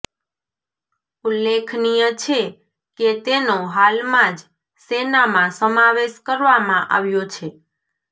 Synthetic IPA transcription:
ulːekʰnijət͡ʃʰe | ket̪enoɦalmãd͡ʒ | senamãsəmaʋeʃkəɾʋamãʔa̰ʋjot͡ʃʰe

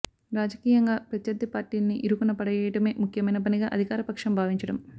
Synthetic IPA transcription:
ɾaːd͡ʒɐkiːjɐŋɡaːpɾɐt̪ʰjɐɾd̪ʱːipaːɾʈiːnːiʔiɾukunːɐpɐɽɐjɛːjɐʈɐme̞ːmukʰjɐmɐjnɐp̬ɐniɡaːʔɐd̪ʱikaːɾɐpɐkʂɐmbʱaːʋiɲt͡ʃɐɽɐm

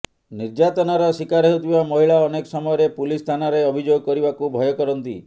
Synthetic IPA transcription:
niɾd͡ʒat̪ɔnaɾɔsikaɾeɦut̪ʰibamɔɦiɭaɔnekɔsɔmɔjɔɾepulist̪ʰanaɾeɔbʱid͡ʒoɡɔkɔɾibakubʱɔjɔkɔɾɔnt̪ḭ

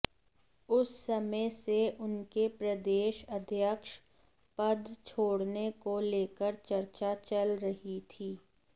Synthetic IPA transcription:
ʊsːɐməseʔʊnkepɾɐd̪eːʃəd̪ʱjəkʃ | pəd̪t͡ʃʰoːɽnekoleːkəɾt͡ʃɐɾt͡ʃat͡ʃɐlɾɐɦit̪ʰiː

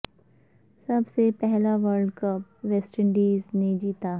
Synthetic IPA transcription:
sɐbsepɛɦlaʋəɾɖkɐp̚ʋɛːsʈəɳɖiːzned͡ʒiːt̪aː

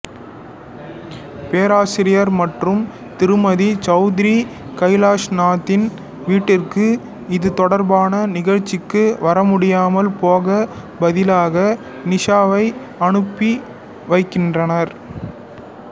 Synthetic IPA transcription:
peːɾaːsɪɾɪjɐɾmɐʈrɯm | t̪ɪɾɯmɐðit͡ʃɐʊðɪɾi | kɐɪlaːʂnaːt̪ːɪn | ʋiːʈːɪrkɯ | ɪðɯt̪ɔɽɐɾbaːnɐnɪɣɐɻt͡ʃːɪkːɯʋɐɾɐmʊɽɪjaːmɐlpoːɣɐ | bɐðɪlaːɣɐ | nɪʂaːʋɐɪ | ɐɳɯpːi | ʋɐɪkːɪndrɐnɐɾ

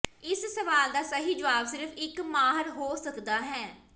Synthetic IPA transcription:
ɪssəʋaːld̪aːsəɦiːd͡ʒəʋaːbsɪɾfʰɪkmaːɦəɾɦoːsəkd̪aːɦɛː

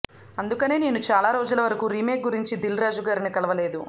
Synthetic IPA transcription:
ɐnd̪ukɐneːneːnut͡ʃaːlaːɾo̞ːd͡ʒulɐʋɐɾɐkuːɾiːme̞ːk̚ɡuɾiɲt͡ʃid̪ilɾaːd͡ʒuɡaːɾinikɐlɐʋɐle̞ːd̪u

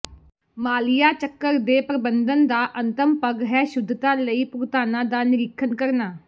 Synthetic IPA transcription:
maːlɪjaːt͡ʃəkːəɾd̪eːpɾəbənd̪ənd̪aːʔənt̪əmpəɡɦɛːʃʊd̪ʱːt̪aːləiːpʊɾt̪aːnãːd̪aːnɪɾɪkʰənkəɾnaː

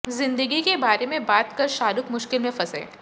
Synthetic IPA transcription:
zɪ̃nd̪əɡikebaːɾemẽbaːt̪kɐɾʃaːɾʊkmʊʃkɪlmẽfɐsḛ̃ː

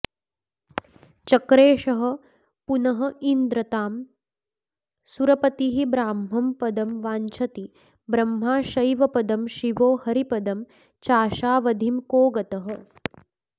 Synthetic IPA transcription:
t͡ʃɐkɾeːʃɐɦɐ̆ | punɐɦɐ̆ind̪ɾɐt̪aːm | suɾɐpɐt̪iɦibɾaːmɦɐmpɐd̪ɐmʋaːɲt͡ʃʰɐt̪i | bɾɐmɦaːʃɐjʋɐpɐd̪ɐmʃiʋoːhɐɾipɐd̪ɐm | t͡ʃaːʃaːʋɐd̪ʱimkoːɡɐt̪ɐɦɐ̆

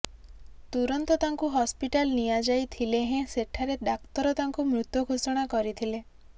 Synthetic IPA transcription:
t̪uɾɔnt̪ɔt̪aŋkuɦɔspiʈalnijad͡ʒajt̪ʰileɦẽseʈʰaɾeɖak̚t̪ɔɾɔt̪aŋkumɾut̪jɔɡʱosɔɽ̃akɔɾit̪ʰile

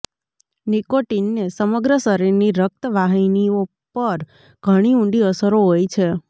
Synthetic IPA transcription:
nikoʈinːesəməɡɾəsəɾiɾniɾək̚t̪əʋaɦinio | pəɾ | ɡ̥ʱəɽ̃iũɳɖiəsəɾoɦojt͡ʃʰe

